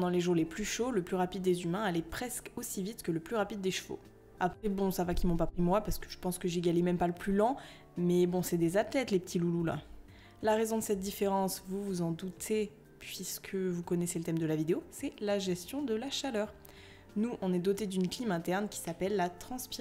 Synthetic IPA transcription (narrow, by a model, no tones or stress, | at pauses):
d̪ɑ̃leʒuʁleplyʃoləplyʁapid̪ːezymɛ̃alɛpχɛskosivit̪kələplyʁapid̪ːeʃfo̰ | apχɛbɔ̃savakʲimɔ̃papχimwapaʁsə̥kəʒəpɑ̃skəʒeɡalemɛmpaləplylɑ̃ | mɛbɔ̃sɛd̪ezat̪lɛt̪lepə̥t̪ʰilulula̰ | laʁezɔ̃d̪əsɛt̪̚d̪ifeʁɑ̃svuvuzɑ̃d̪ut̪ʰe | pɥiskʰəvukɔneselət̪ɛmd̪əlavid̪eosɛlaʒɛst̪jɔ̃d̪əlaʃalœːʁ | nuʔɔ̃nɛd̪ɔt̪ed̪ynklimɛ̃t̪ɛʁnkʲi̥sapɛlːat̪χɑ̃spi